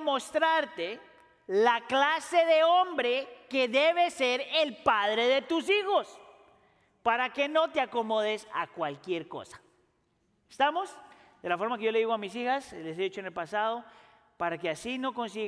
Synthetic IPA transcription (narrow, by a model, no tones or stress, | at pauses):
mo̞st̪ɾaɾt̪e | laklase̞ðe̞o̞mbɾeke̞ðe̞βe̞se̞ɾelpaðɾe̞ðe̞t̪usixo̞s | paɾake̞no̞t̪eako̞mo̞ðesa̰kwalkje̞ɾko̞̰sḁ | est̪amo̞z | d̪e̞lafo̞ɾmakejo̞le̞ðiɣoamisixasles̬eðit͡ʃoenelpasað̞o̞ | paɾake̞asino̞ko̞ns̬i